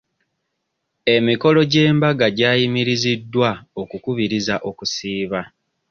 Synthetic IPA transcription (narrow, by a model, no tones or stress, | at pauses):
e̞miko̞lo̞ɟe̞ːmbaɡaɟaːjimiɾizidːwao̞kukuβiɾizaʔo̞kusiːβa